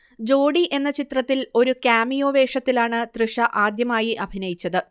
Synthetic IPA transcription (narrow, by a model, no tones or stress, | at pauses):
d͡ʑo̞ːɽiʔe̞nːɐt͡ɕit̪rɐt̪ːilo̞ɾukaːmijo̞ːʋe̞ːʂɐt̪ːilaːɳɨt̪rɨʂɐʔaːd̪jɐmaːjiʔɐbʱinɐjit͡ɕːɐðɨ